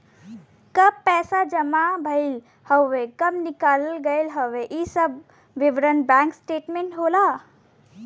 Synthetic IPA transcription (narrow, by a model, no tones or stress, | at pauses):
kəb̚pɛsad͡ʒəmabʱəɪl | həekəmnikalɡəɪlɦəʋeʔisəb | ʋiʋɾənbɛ̃ŋksʈeʈmeɳʈɦola